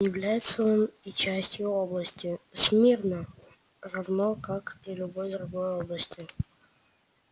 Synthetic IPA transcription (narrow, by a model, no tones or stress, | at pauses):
jɪvlʲæjɪt̪səonit͡ɕæsʲtʲjʊoblˠəsʲtʲɪsʲmʲirnə | rɐvnokakilʲʊbojd̪ɾʊɡojoblˠəsʲtʲjʊ